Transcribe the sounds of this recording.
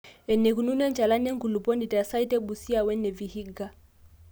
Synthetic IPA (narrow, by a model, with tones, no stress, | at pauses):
ɛ˨nɛ˨ku˨nu˦nɛ˦nt͡ʃa˨la˦nɛ˦ŋɡu˨lu˨pɔ˦ndi˨ta˨sa˦i˦tɛ˦ɓu˨si˦a˦wɛ˦nɛ˨vi˨hi˦ɡa˦